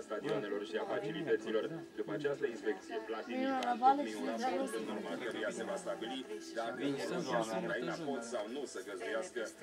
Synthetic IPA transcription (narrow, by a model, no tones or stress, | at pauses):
st̪ad̪ioane̞lo̞rʃiafat͡ʃilit̪ət̪silo̞rd̪upəat͡ʃast̪əinspe̞k̚t̪sije̞plat̪iavaleiuaot̪ɨnːormalkəɾujase̞vast̪abilid̪akəkonoasukɾainapo̞t̪sawnusəɡəzd̪ujaskə